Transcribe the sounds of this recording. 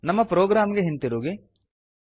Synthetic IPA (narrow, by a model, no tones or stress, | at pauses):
nɐmːɐpɾoːɡɾaːmɡeɦint̪iɾuːɡi